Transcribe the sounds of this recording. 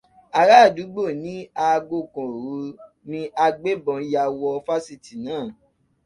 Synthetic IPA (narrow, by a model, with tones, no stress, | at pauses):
a˨ɾa˦˨du˨˦ɡ͡bo˦˨nĩ˦a˧ɡo˧˨kɔ̃˨ɾu˨˦ | nĩ˧a˧ɡ͡be˦bɔ̃˨˧˨ja˧wɔ˧fa˦si˦˨ti˨nãː˦˨